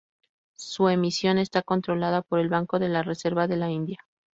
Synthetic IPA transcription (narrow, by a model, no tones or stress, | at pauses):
sue̞misjo̞ne̞st̪ako̞nt̪ɾo̞laðapo̞ɾe̞lβaŋko̞ðe̞lare̞se̞ɾβaðe̞laind̪ja